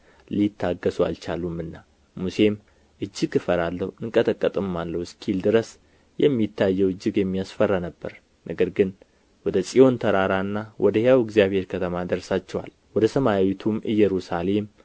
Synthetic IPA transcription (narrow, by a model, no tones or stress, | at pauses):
lit̪ʰːaɡːəsua̰lt͡ʃʰalumːɨnːa | muse̞m | ʔɨd͡ʒːɪkɨfəɾalːəwɨŋkʼət̪ʰəkʼːət̪ʼɨmːalːəwskʰild̪ɨɾəs | jɛmːit̪ʰːajːɛwɨd͡ʒːɪɡjɛmːijasfərːanəbːə̰ɾ | nʔəɡəɾɡɨn | wɔd̪əsʼio̞nt̪ʰəɾaɾanːawʔɔd̪əheawɨɡzijaβhe̞ɾkʰət̪ʰəmad̪əɾsat͡ʃːɛwa̰l | wɔd̪əsəmajawit̪ʰumɨjːɛɾusale̞m